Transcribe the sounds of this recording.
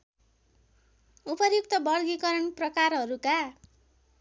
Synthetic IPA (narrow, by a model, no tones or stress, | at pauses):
upʌjuk̚t̪ʌbʌɽɡikʌɾʌnprʌkarɦʌɾuka